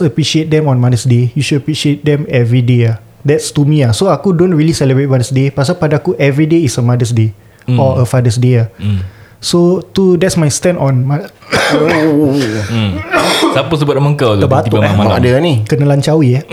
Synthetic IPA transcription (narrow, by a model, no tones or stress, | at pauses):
əpɹiʃiet̚dɛ̃mɔ̃nmadəsdejuʃudəpɹiʃiet̪̚dɛ̃mɛvɹidea | dɛtst̪umĩasoakudõnɹiəlisɛləbet̚madəsdepas̬apadaakuʔɛvɹideisəmadəs̬de | ɔəfadəsdea | sot̪udɛtsmajstɛ̃ntɔ̃nma | sapəs̬əbʊt̪̚mə̃ŋkatd̪əbat̪uamaadənĩkənəlaɲt͡ʃawia